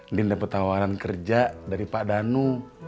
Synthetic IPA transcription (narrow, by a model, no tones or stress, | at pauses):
dindapət̪awaɾankərd͡ʒadaɾipadanu